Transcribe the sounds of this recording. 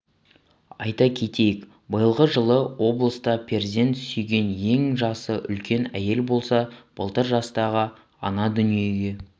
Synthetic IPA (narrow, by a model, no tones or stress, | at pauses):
ɑ̰jt̪ɑkʲʰe̞t̪e̞jɪk | bəjəlˠʁəʒəlˠəwo̞blˠəst̪ɑpʲʰe̞ɾzʲe̞nt̪ʰsyjɡʲe̞nje̞ŋʒɑsəʔʏ̰lkʲe̞næ̰je̞lbo̞lˠsɑb̥ə̰lˠt̪əɾʒɑst̪ɑʁə | ɑnɑd̪ʏnije̞ɡʲe̞